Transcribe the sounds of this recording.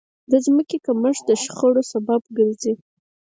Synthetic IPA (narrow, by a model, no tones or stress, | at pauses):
d̪əzməkekəməʐd̪əʃxəɽosababɡəɾzi